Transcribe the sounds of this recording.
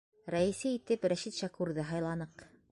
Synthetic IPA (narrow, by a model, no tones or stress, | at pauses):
ɾæɘ̆sɘit̪ɘpɾæʃit̪ʃɑkʉɾðɤɦɑjlˠɑnɤq